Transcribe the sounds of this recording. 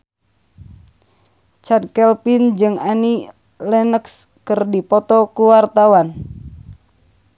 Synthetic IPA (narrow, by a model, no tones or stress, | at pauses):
t͡ʃad̚kɛlpind͡ʒɨŋani | lɛnəkskɨrdipɔt̪ɔkuwart̪awan